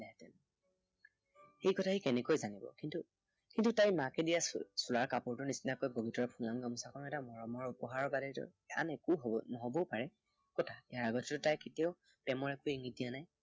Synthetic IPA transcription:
lɛtɛ̰n | xejkɔtʰaɦikɛnɛkojzanibɔ̰kintu | kintutajmakɛdijasulaɹkapʊɹtʊnisinakojboɡitɔɹpʰulamɡamusakʰɔnɛtamɔɹɔmɔɹupɔɦaɹɔbadɛtɔ̰ | a̰nɛkuɦɔnɔɦɔbɔpaɹɛ | kɔtʰaɛjaɹaɡɔtʰɛtʊtajketiaʊ | pɛmɔɹɛkʊiŋidijanaj

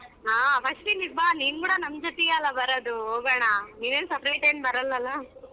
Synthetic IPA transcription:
aːpʰɐsʈiniɡ̚bʱaniːnkuːɽɐnɐmd͡ʒot̪eeɐlːɐbɐɾoːd̪uɦoːɡɐɳaniːʋeːnsɐpɾɐjʈeɳbɐɾɐlːɐlːa

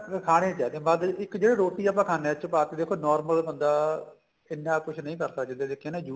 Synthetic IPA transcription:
kʰaːɽ̃ẽːt͡ʃaːd̪ẽːbaːd̪ɪkd͡ʒeːɽeːɾoːt̪iːaːp̬ãːkʰaːneːt͡ʃpaːt̪eːd̪eːkʰːoːnɔːɾməlbənd̪aː | ɪnːãːpʊt͡ʃʰnəĩːkəɾsəkd͡ʒə̃nd̪eːd̪ekʰːẽːnãːd͡ʒuː

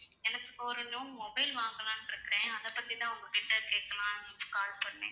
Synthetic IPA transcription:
ɛnɐkːɯ̥poːɾɐlumɔbɐɪlʋaːŋɡɐlãːnɪɾɯkːɪɾẽːɐðɐpːɐt̪ːit̪ãːʊŋɡɐkːɪʈːɐkeːkɐlãːkaːlpɐɳːḛ̃ː

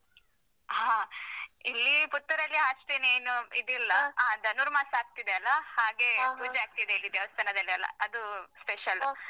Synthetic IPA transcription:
ɦãːilːiput̪ːɐɾɐlːiaʂʈeːneːnuid̪ilːɐaːd̪ɐnuɾmaːsɐaːk̚t̪id̪eɐlːɐhaːɡe̞puːd͡ʒeaːk̚t̪id̪eilːid̪jɐʋɐst̪ʰɐnɐd̪ɐlːiɐlːɐ̰ɐd̪uspeʃɐl

